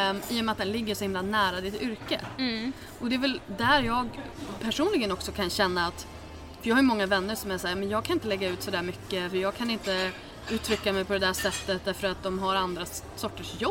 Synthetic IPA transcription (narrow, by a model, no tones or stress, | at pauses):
iːʊmɛat̪d̪ɛnlɪɡːəʂɔhɪmlanæːɾad̪ɪt̪ʏɾkə̰ | ʔɔd̪ɛvɛld̪æɾjɑːɡpʰæʂuːnlɪɡənɔksɔkʰanɕɛnːaːt̪ | fœɾjɑːhajʉmɔŋːavɛnːəɾʂɔmæsæːɾmɛnjɑːɡkʰanɪnt̪əlɛɡːaʉ̟ːt̪sɔd̪æːɾmʏkːəfœɾjɑːɡkʰanɪnt̪ə | ʉ̟ːt̪ʰɾʏkːamɛjpʰɔd̪ɛd̪æːʂɛt̪ːət̪̚d̪ɛfœɾat̪̚d̪ɔmɦaɾand̪ɾa | sɔʈːəʂjɔb